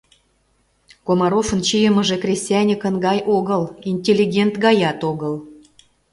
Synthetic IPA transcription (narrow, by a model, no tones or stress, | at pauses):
komɑɾofə̆nt͡ɕijəmə̆ʒĕkrʲisʲtʲijænʲikə̆nɡɑjʔoɣə̆linʲtʲelʲːiɡʲent̪ɡɑjɑt̪oɣə̆l